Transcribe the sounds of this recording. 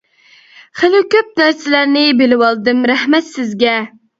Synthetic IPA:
χelɪkʲøp̚næɾsɪlæɾnɪbelɪwɑlˠd̪ɨmɾæhmɛt̪sɪzɡʲɛ

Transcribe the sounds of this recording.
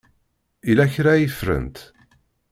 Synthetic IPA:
ilæçɾæjəfɾə̰nt̪

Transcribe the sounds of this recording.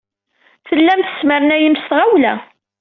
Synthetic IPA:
θəlːæmθə̥sməɾənæjəmstʁawlæ̰

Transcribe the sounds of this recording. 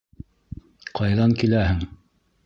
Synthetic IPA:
qʰɑjðɑŋkilæhɘŋ

